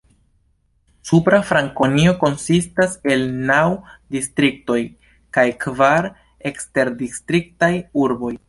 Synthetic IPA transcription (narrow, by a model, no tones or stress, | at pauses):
supɾafɾaŋko̞nio̞ko̞nsistase̞lnawdistɾik̚to̞j | kajkvaɾ | e̞kste̞ɾdistɾik̚tajuɾbo̞j